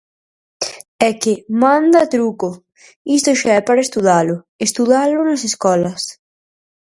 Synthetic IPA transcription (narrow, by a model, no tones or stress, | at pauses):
ɛkɪmãnd̪at̪ɾukʊ | ist̪ʊʃaɛpaɾaest̪uðalʊ | est̪uðalʊnaseskɔlɐs